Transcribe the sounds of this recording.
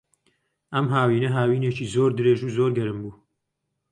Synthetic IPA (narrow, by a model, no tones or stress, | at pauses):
ʔɐmɦaːwiːnɐɦaːwiːneːt͡ʃiːzoːɾd̪ɨɾeːʒuzoːɾɡɐɾɨmbuː